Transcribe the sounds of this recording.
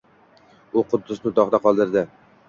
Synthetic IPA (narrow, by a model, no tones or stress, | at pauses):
ʊqʊd̪ːʊsnɪd̪ɒχd̪aqʰɒlˠd̪ɪɾd̪ɪ